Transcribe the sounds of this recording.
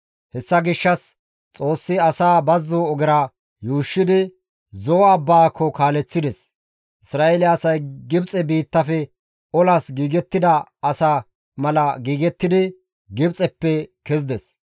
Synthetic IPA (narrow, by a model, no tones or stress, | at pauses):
hɛsːɐɡɪʃːɐs | t͡sʼo̞ːsːɪɐsaːbɐzːoːɡɪɾa | juːʃːɪd̪ɪ | zɔwɐbːaːkʰːɔkaːlɛt͡sːɪd̪ɛs | ʔɪsɾaːʔelɪːsɐjɡɪbt͡sʼɛbiːt̪ːɐfɛ | ɔlaːsɡiːɡɛt̪ːɪd̪ɐɐsaː | mɐlɐɡiːɡɛt̪ːɪd̪ɪ | ɡɪbt͡sʼɛpːɛkɛzd̪ɛs